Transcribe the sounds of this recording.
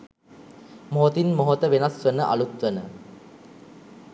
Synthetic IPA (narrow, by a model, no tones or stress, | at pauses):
moɦot̪inmoɦot̪əʋenasʋənəʔa̰lut̪ʋənə